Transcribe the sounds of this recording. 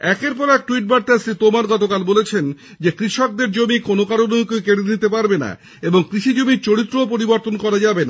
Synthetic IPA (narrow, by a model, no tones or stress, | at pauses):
ɛkeɾpɔɾɛk̚ʈuiʈ̚baɾt̪aesɾit̪omaɾɡɔt̪okalbolet͡ɕʰen | d͡ʑekɾiʃok̚d̪eɾd͡ʑomikonokaɾoneokojkeɽenit̪epaɾbena̰ | eboŋkɾiʃid͡ʑomiɾt͡ɕoɽit̪ːɾoopoɾiboɾt̪onkɔɾad͡ʑabena